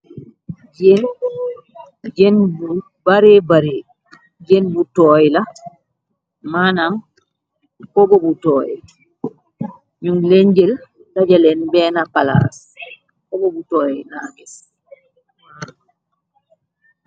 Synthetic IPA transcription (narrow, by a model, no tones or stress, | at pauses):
d͡ʒen | d͡ʒenbu | baɾɛbaɾɛ | d͡ʒenbutɔjla | manam | kɔbɔbutɔːjɛ̰ | ɲumleɲd͡ʒɛl | tad͡ʒalɛnbɛːnapala̰s | kɔbɔbutɔːjɛnaːŋɡɛs | mana